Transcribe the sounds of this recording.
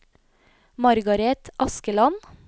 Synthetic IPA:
mɑɾɡɑɾɛt̪ʔɑskəlɑn

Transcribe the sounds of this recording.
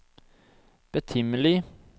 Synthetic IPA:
b̥ət̪ʰʏməlɪ

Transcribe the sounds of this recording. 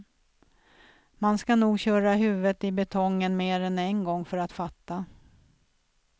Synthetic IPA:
manskanuːɡɕœːɾaɦʉ̟ːvət̪ɪbɛt̪ʰɔŋːənmeːɾɛnɛnɡɔŋːfœɾat̪fat̪ːa

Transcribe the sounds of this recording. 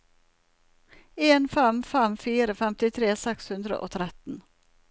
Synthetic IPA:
eːnfɛmfɛmfiːɾəfɛmt̪ɪt̪ʰɾeːsɛkshʉnd̪ɾə̰ʔo̰ːt̪ʰɾɛt̪n̩

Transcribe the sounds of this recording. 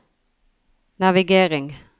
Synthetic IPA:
næʋɪɡeːʁɪŋ

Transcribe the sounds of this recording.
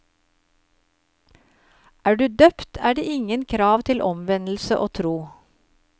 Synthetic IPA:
ʔæːɖʉːd̪œpt̪ʰæːɖeːɪŋənkʰɾɑːʋt̪ʰɪlʔɔmʋɛnl̩səʔoːt̪ʰɾuː

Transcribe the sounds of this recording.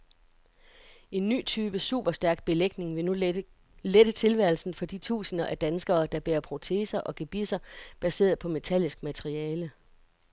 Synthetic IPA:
ʔe̝nːy̰ːt͡sʰyːb̥əsṵːb̥ɐsd̥æɐɡ̥̚b̥e̝leɡ̥ne̝ŋʋe̝nu | led̥ət͡sʰe̝lʋæɐ̰lsn̩fɒ̽d̥it͡sʰṵːsənɐʔæd̥ænsɡ̥ɐːd̥ɑ̈b̥eːɐpʰʁo̝t͡sʰe̝̰sɐʔɒ̽ɡ̥eb̥isɐb̥æse̝̰ːɐð̩ˠpʰɒ̽me̝t͡sʰæl̰isɡ̥mæt͡sʰeʁiɛːlə

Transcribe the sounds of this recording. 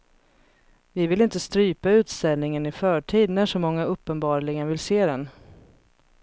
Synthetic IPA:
vɪvɪlɪnt̪əst̪ɾyːpaʉ̟ːt̪st̪ɛlnɪŋənɪfœːʈʰiːd̪næʂɔmɔŋːaɵpːənbɑːɾɭɪɡənvɪlseːd̪ɛn

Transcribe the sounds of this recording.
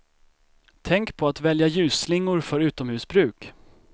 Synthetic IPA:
t̪ʰɛŋkpʰɔat̪vɛljajʉ̟ːslɪŋːʊɾfœɾʉ̟ːt̪ɔmhʉ̟ːsbɾʉ̟ːk

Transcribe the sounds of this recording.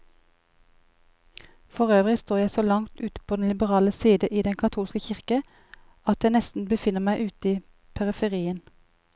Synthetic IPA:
fɔʁøːʋʁɪst̪oːjæɪsoːlɑŋt̪ʉːt̪ə̥pʰoːd̪ɛnlɪbəʁɑːləsiːd̪əʔiːd̪ɛŋkʰɑt̪ʰuːlskəçɪʁkə | ɑt̪jæɪnɛst̪n̩bəfɪnəmæɪʔʉːt̪iː | pʰæʁəfəʁiːən

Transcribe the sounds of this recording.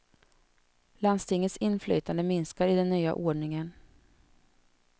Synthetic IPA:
land̪st̪ɪŋət̪sɪnːflœ̰ːt̪ʰand̪əmɪnskaɾɪd̪ɛnːyːa̰ʔoːɖɳɪŋən

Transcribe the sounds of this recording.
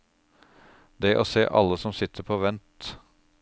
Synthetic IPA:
d̪ɛʔoːseːʔɑ̰lːəsɔmsɪt̪ʰːəɾpʰoːʋɛnt̪

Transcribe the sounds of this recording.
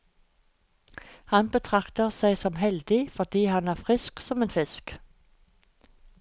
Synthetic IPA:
hɑnbət̪ʰʁɑkt̪əʁsæɪsɔmhɛld̪ɪfɔʁd̪iːhɑnæːʁfʁɪsksɔmeːnfɪsk

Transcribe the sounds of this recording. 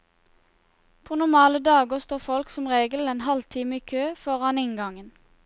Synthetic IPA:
pʰoːnʊmɑːləd̪ɑːɡɔst̪oːfɔlksɔmʁeːɡəl̩eːnhɑlt̪ʰiːməiːkʰøːfɔʁɑnɪŋɡɑŋən

